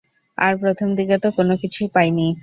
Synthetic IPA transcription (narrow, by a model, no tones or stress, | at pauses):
a̰ɾpɾot̪ʰomd̪ʱiɡet̪okonokit͡ɕʰupajni